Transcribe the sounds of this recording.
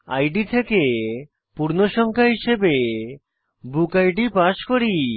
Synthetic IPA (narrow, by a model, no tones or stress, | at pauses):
a̰jɖit̪ʰeke | puɾnoʃɔŋkʰaɦiʃebe | bukajɖipaʃkoɾi